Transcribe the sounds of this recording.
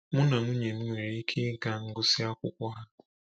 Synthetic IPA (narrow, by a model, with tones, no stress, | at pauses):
mʊ˦na˨ŋu˦ɲe˨n̩˦ŋʷe˨ɾe˦i˦kʰe˦ɡa˦˨ŋ̩˦ɡʊ˦si˦a˦kʷʊ̰˦kʷɔ˦ɦa˦